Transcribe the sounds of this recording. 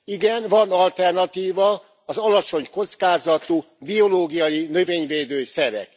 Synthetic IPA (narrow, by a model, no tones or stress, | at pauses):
iɡɛnvɒnɒlt̪ɛrnɒt̪iːvɒː | zɒlɒt͡ʃo̞ɲko̞t̪skaːzɒt̪u | bio̞loːɡijɒjinø̞veːɲveːd̪øːsɛɾɛ̰k